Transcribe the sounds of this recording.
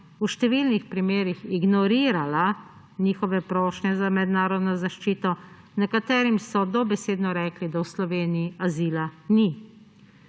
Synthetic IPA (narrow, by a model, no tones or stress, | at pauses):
uʃt̪ɛʋiːlnixpɾimeːɾixiɡnɔɾiːɾala | niːxɔʋɛpɾoːʃnɛzamɛd̪naːɾɔd̪nɔzaʃt͡ʃiːt̪ɔ | nɛkat̪ɛːɾimsɔd̪ɔbɛseːd̪nɔɾɛːklid̪awslɔʋeːniiaziːlani